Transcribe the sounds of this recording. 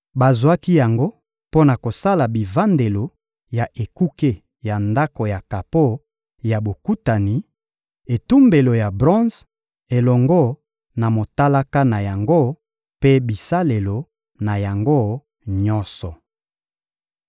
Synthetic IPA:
ba˨zwa˦ki˦ja˨ŋɡo˦ | po˦na˨ko˨sa˦la˨bi˨va˦nde˨lo˨ | ja˨ʔe˨ku˦ke˦ | ja˨nda˦ko˨ja˨ka˨po˦ | ja˨bo˨ku˦ta˨ni˨ | e˨tu˦mbe˨lo˨ja˨bʁɔ̃˦z | e˨lɔ˨ŋɡɔ˦ | na˨mo˨ta˦la˦ka˦na˨ja˨ŋɡo˦ | pe˦bi˨sa˦le˨lo˨ | na˨ja˨ŋɡo˦ | ɲɔ˦sɔ˨

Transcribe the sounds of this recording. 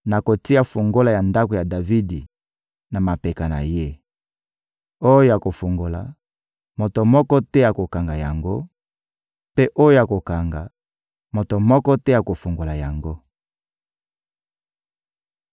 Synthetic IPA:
na˨ko˨ti˦a˦fu˨ŋɡo˦la˨ja˨nda˦ko˨ja˨da˨vi˦di˨ | na˨ma˨pɛ˨ka˨na̰˨je˦ | o˦jo˦ja˨ko˨fu˨ŋɡo˨la̰˨ | mo˨to˨mɔ˦kɔ˦tɛ˦ja˨ko˨ka˨ŋɡa˨ja˨ŋɡo˦ | pe˦ʔo˦jo˦ja˨ko˨ka˨ŋɡa˨ | mo˨to˨mɔ˦kɔ˦tɛ˦ja˨ko˨fu˨ŋɡo˨la˨ja˨ŋɡo˦

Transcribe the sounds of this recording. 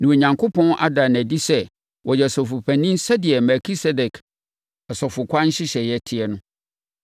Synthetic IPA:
nã˨o˨ɲã˨ŋkʰʊ˦pʰɔ̃˦nʔa̰˦dã˨næ˨di˦sɛ˦ | wʔɔ˨jɛ˨sɔ˨fʊ˨pʰæ̃˨nĩ˦n˦sa˦dɪ˨ɛ˨mɛ˨kʰi˦sɛ˦dɛ˨kʰ | ɛ˨sɔ˨fʊ˨kʷʰã˦n̩˦ɕɪ˦ɕɛ˨jɛ˦˨tʰɪ˦ɛ˦nʊ̃˦

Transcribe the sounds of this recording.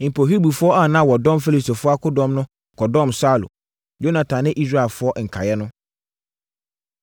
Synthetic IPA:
m̩˨pʰo˨ɦi˦bu˨fʊ˦ɔ˦a˦˨nã˦˨wɔ˨dɔ̃˦mfe˦li˨sto˨fʊ˦a˦kʰʊ˦dɔ̃˦mnʊ̃˦ | kʰɔ˨dɔ̃˦˨msaː˦˨lʊ̰˨ | jo˦nã˨tʰã˨nɪ̃˦ʔi˦s̬ɾa˦˨ɛ˨lfʊ˦ɔ˦ʔŋ̩˨kʰa˨jɛ˦nʊ̃˦

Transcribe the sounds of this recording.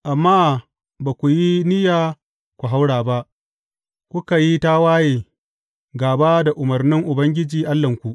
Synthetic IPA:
ʔa˨mːaː˦ | baː˨kʷu˨ji˦nɪ˦jaː˨ | kʷu˨ɦa˦wɽaː˨ba˦ʔ | kʷʊ˦ka˨ji˦ta˦waː˦jeː˨ | ɡaː˨baː˦da˨ʔʊ˨mɐ˨rnɪ˦ŋʔʊ˨bɐ˦ŋɡʲɪ˦d͡ʒiː˨ʔa˦lːɐ˨ŋkʷu˨ʔ

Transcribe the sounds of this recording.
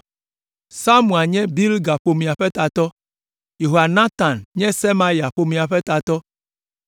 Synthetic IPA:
sa˦mũ˨a˨ɲɛ̃˦bi˦lɡa˨ɸo˨mĩ˨a˨ɸɛ˦t̪a˨t̪ɔ˦ | je˨ɦo˨a˨nã˦t̪a˨nɲɛ̃˦se˦ma˦ja˨ɸo˨mĩ˨a˨ɸɛ˦t̪a˨t̪ɔ˦

